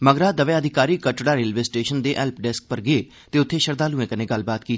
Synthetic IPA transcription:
məɡɾaːd̪əʋeːəd̪ʱɪkaːɾiːkəʈɽaːɾeːlʋeːsʈeːʃənd̪eːʔɛːlpɖɛsk̚pəɾɡeeː | t̪eːʊt̪ʰːeːʃəɾd̪aːlũːẽːkənẽːɡəlbaːt̪kiː

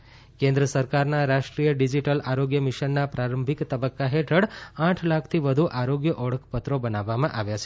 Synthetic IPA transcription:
kẽnd̪ɾəsəɾkaɾnaɾaʃʈɾijəɖid͡ʒiʈəlʔaɾoɡjəmiʃənːapɾaɾəmbʱikt̪əbəkːaɦeʈʰəɽãʈʰlakʰt̪ʰiʋəd̪ʱuʔaɾoɡjəʔɔɭəkʰpət̪ɾobənaʋːamãʔaʋjat͡ʃʰe̥

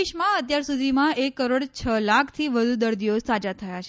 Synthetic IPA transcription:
iʃmãət̪jaɾsud̪ʱimãekːəɾoɽt͡ʃʰəlakʰt̪ʰiʋəd̪ʱud̪əɾd̪iosad͡ʒat̪ʰəjat͡ʃʰe

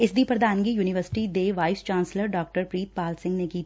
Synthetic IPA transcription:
ɪsd̪ʱipɾɐd̪ʱaːnkijuːnɪʋəɾsɪ̥ʈid̪eːʋaːɪst͡ʃãːnsləɾɖɔːk̚ʈəɾpɾiːt̪̚paːlsɪ̃ŋɡnekiː

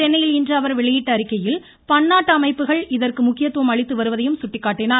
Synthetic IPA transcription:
t͡ʃɛnːɐjɪlɪndrɐʋɐɾʋɪɭɐjɪʈːɐːɾɪkːɐjɪl | pɐnːaːʈːɐɐmɐɪpːɯɣɐɭɪðɐrkɯmʊkːɪjɐt̪ːɯʋɐmɐɭɪt̪ːɯʋɐɾɯʋɐðɐjɯmsʊʈːɪkːaːʈːɪnaːɾ

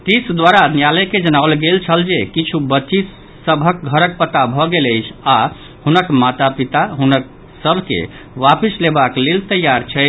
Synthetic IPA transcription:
ʈ̪isd̪waɾannjaləjked͡ʒənaʊlɡelt͡ʃʰəld͡ʒekit͡ʃʰubətːʃi | səbʱək̚ɡʱəɾək̚pət̪abʱɔɡeləjt͡ʃʰa | hunəkmat̪apit̪aɦunək̚ | səbʱkḛ | ʋapislebaklelt̪əjaɾt͡ʃʰɛ

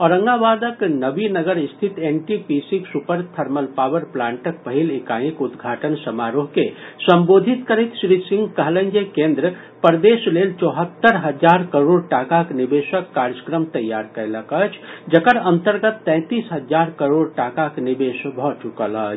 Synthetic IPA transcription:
ɔɾəŋɡabad̪əknəbinəɡəɾist̪ʰit̪enʈipisiksupəɾt̪ʰəɾməlpawəɾplãɳʈək̚pəɦilekajĩkud̪ɡʱaʈənsəmaɾoɦkesəmbod̪ʱit̪kəɾɛt̪sɾisĩŋɡkəɦlə̃nd͡ʒekẽnd̪ɾə | pəɾd̪eslelt͡ʃɔɦət̪ːəɾɦəd͡ʒaɾkəɾoɽ̚ʈakaknibesəkːaɾd͡ʒəkɾəmt̪əjːaɾkəɾeləkət͡ʃʰd͡ʒəkəɾənt̪əɾɡət̪ːɛ̃ɪt̪isɦəd͡ʒaɾkəɾoɽʈakaknibesbʱɔt͡ʃukələt͡ʃʰ

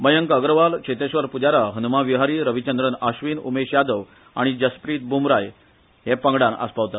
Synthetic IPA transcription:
məjəŋkəɡɾəʋalkɕet̪eɕʋəɾpud͡ʑaɾaɦənumaʋiɦaɾiːɾəʋit͡ɕənd̪ɾənaɕʋinṵmeɕjad̪əʋ | a̰ɽ̃id͡ʑəspɾiːt̪̚bumɾaj | ɦepəŋɡɽana̰spaʋt̪at̪

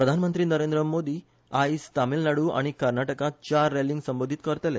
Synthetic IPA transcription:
pɾəd̪ʱanmənt̪ɾiːnəɾend̪ɾəmod̪iː | ajist̪amiːlnaɽuːa̰ɽ̃ikəɾnaʈəkãt͡ɕaɾːeliŋɡsəmbod̪ʱit̪kəɾt̪ele

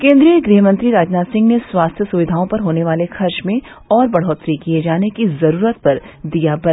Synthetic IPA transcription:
kẽːnd̪ɾijəɡɾiːɦəmɐ̃nt̪ɾiɾaːd͡ʒnaːsɪ̃ŋɡneswaːst̪ʰjəsuʋɪd̪ʱaːõpɐɾɦoːneʋaːlexɐɾt͡ʃmẽ | ɔːɾbɐɽ̤ɦoːt̪ɾikijed͡ʒaːnekizɐɾuːɾət̪̚pɐɾd̪ijabɐ

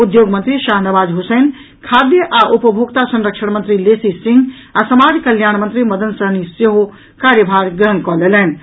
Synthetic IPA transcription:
ud̪joɡmənt̪ɾiʃaɦnəʋaːd͡ʒɦusen | kʰad̪jəʔaʔupəbʱoɡt̪asə̃nɾəkʃəɽ̃mənt̪ɾilesisĩŋɡ | asəmaɾkəljaːɽ̃mənt̪ɾiməd̪ənsəɦniseɦo | kaɾjəbʱaɾɡɾəɦənkɔlelɛn̆

